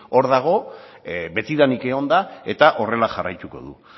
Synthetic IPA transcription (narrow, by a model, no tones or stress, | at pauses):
o̞ɾðaɣ̞o̞ | be̞t̪iðanike̞o̞nd̪ae̞t̪aʔo̞re̞laʝarajt̪uko̞̰ðṵ